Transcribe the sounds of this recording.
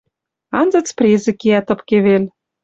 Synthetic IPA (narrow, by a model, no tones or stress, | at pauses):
ɑnzɤ̆t͡sprʲezĕkeæt̪ɤ̆pkeβel